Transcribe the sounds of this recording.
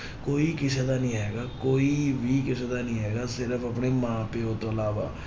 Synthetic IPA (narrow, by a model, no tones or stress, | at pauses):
koːiːkɪseːd̪aːnĩːɦɛːɡaːkoːiːbʱiːkɪs̬eːd̪aːnĩːɦɛːɡaːsɪɾəfʰəpneːmãːpeɦoːt̪oːəlaːʋa̰ː